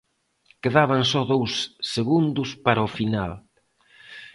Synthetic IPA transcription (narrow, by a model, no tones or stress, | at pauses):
keðaβaŋsɔðowsːeɣund̪ʊspaɾɐʊfinal